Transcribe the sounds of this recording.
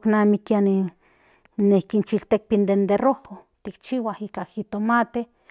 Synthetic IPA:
knamikiani | nehkint͡ʃilt̪ek̚pind̪end̪erohot̪ikt͡ʃiwahikahit̪omat̪e

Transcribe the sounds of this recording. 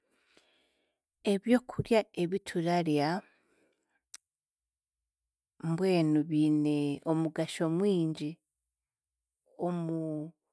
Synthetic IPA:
e̞βjo̞ːkʰuɾjae̞βitʰuɾaɾja | mbwe̞ːnuβine̞omuɡaʃo̞mwiːɲɟi | omu

